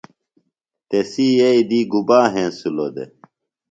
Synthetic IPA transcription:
t̪esijeid̪iːɡubaːɦẽːsulod̪ḛ

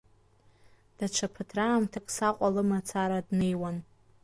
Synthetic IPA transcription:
d̥at͡ʃʷʰapʰɨtʰraːmtʰakʼsaqʷʼalɨmat͡sʰaɾadnejwan

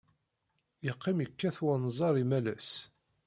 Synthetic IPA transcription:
əqːimjəkːæθwənzˤɑɾˤimælæs

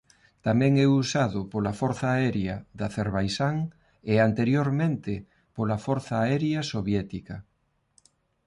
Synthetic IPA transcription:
t̪amɛ̃ŋɛusaðʊpolafoɾθaːɛɾjaðaθeɾβajsaŋ | eant̪eɾjoɾmẽnt̪ɪ | polafoɾθaːɛɾjasoβjɛt̪ika

